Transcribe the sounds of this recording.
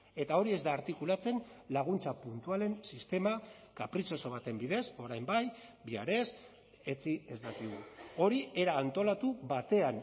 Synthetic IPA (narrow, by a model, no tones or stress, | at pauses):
e̞t̪ao̞ɾie̞zd̪aːɾt̪ikulat͡se̞nlaɣ̞unt͡sapunt̪uale̞nsist̪e̞ma | kapɾit͡so̞so̞β̞at̪e̞mbiðe̞so̞ɾajmbajbia̰ɾe̞s | e̞t͡sie̞zd̪akiɣuo̞ɾie̞ɾaːnt̪o̞lat̪uβat̪e̞an